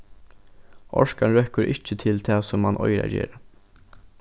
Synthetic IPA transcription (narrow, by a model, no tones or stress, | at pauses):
ʔɔ̰ʃkanɾœkəɾʔɪt͡ʃət̪ʰɪlt̪ʰɑːsɔmhɑnʔɔʏɾa̰ɟḛːɾə